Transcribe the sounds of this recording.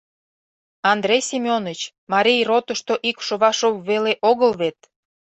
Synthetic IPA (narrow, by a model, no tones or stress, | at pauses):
ɑnd̪ɾejsimʲonət͡ɕ | mɑɾʲijrot̪əʃt̪oʔikʃoβɑʃopβeleʔoɣəlβet̪̚